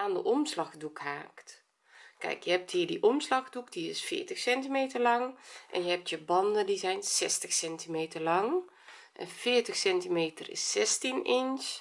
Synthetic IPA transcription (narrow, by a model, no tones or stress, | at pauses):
ʔaːndəʔɔmslaxdukhaːkt | kɛ̰jkjəhɛp̚thiːrdiʔɔmslaxdukdiɪsfɪ̰ːtəxsɛntimeːtərlɑŋʔɛ̰njəhɛp̚tjəbɑndədizɛjnsɛstəxsɛntimeːtərlɑŋ | ʔɛ̰nfɪːərtəxsɛntimeːtərɪ̰sːɛstinɪns